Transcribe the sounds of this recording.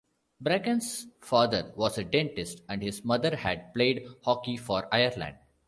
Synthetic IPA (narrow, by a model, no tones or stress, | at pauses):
bɾæɡə̃nsfaːd̪əɾʋɔːzəɖẽɳʈɪsʈæ̃ɳɖhɪzmʌd̪əɾhæɖ̚pleːɖhɔːkifɔːɾaɪəɾlæ̰̃ɳɖ̚